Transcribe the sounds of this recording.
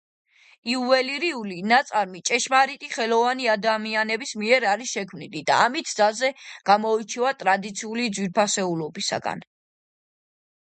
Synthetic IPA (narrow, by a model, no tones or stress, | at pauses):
iuvɛliɾiulinat̪sʼaɾmit͡ʃʼɛʃmaɾit̪ʼiχɛlɔvaniad̪amianɛbismiɛɾaɾiʃɛkʰmnilid̪a̰ːmit̪ʰd̪zazɛɡ̥amɔit͡ʃʰivat̪ʼɾad̪it̪sʰiulid̪zwiɾpʰasɛulɔbisa̰ɡa̰n